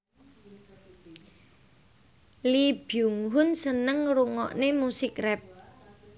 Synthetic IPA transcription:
lib̥juŋɦʊnsənəŋɾuŋɔ̰ʔnemusikrɛp̚

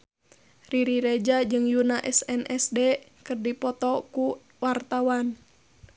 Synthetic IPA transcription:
riɾiɾɛd͡ʒad͡ʒɨŋjunaʔɛsɛnʔɛsdɛkɨrdipɔt̪ɔku | wart̪awan

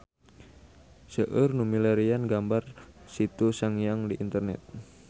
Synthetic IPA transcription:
səʔərnumilaɾianɡambarsit̪usaŋijaŋdiʔint̪ərnɛ̰t̪̚

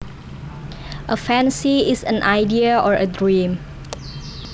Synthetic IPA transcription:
ʔəfɛ̃nsiisə̰̃nʔajdiəɔɹədɹĩm

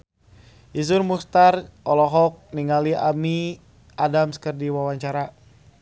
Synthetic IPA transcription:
ʔizʊrmust̪arʔɔlɔɦɔk̚niŋaliami | ʔadamsə̥kərdiwawaɲt͡ʃaɾa

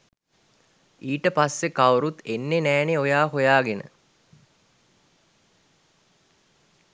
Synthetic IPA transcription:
iːʈəpasːekawɾut̪enːenæːneojaːɦojaːɡenə̰

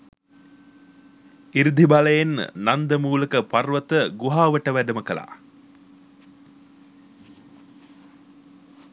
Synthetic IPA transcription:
iɾid̪ʱibaləjennand̪əmuːləkəparʋət̪əɡuɦaːʋəʈəʋæɖəməkəla̰ː

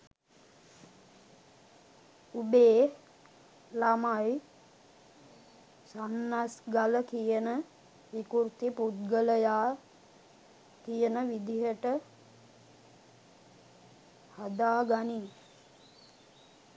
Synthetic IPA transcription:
ubeː | lamaj | sanːasɡaləkijənə | ʋikuɾt̪iput̪̚ɡələjaː | kijənəʋid̪iɦəʈə | had̪aːɡaniŋ

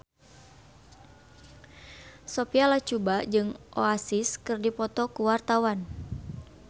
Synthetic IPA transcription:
sɔpialat͡ʃubad͡ʒɨŋʔoasiskɨrdipɔt̪ɔkuwart̪awan

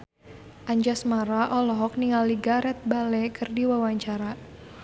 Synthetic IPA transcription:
ʔaɲd͡ʒasmaɾaʔɔlɔɦɔk̚niŋaliɡaɾɛt̪̚balɛkɨrdiwawaɲt͡ʃaɾa

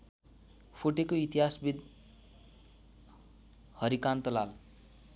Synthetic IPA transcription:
pʰoʈekoit̪iɦasbid̪ | hʌɾikant̪ʌlal

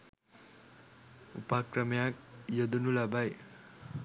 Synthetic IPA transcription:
upakrʌmjak̚jʌd̪unulabaj

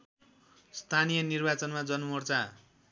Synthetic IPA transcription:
st̪ʰanijʌnirbat͡sʌnmad͡zʌnumʌrt͡sa

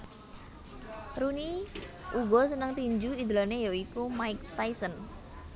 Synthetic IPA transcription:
ɾuniuɡɔsənəŋt̪iɲd͡ʒuid̪ulanejɔikumaɪk̚t̪ajsən

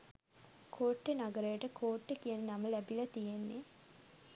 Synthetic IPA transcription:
kʰoːʈːenaɡəɾəjəʈəkʰoːʈːekijənənaməlæbilɐt̪ijenːe

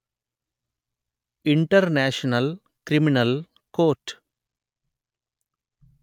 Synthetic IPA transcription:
iɳʈɐɾneːʂɐnɐl | kɾiminɐl | koːʈ

